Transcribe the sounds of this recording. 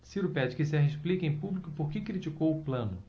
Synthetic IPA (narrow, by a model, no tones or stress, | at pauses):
siɾʊpɛd͡ʒɪkisɛɦeʃplikẽj̃publikʊpoɾkɪkɾit͡ʃikowʊplɐ̃nʊ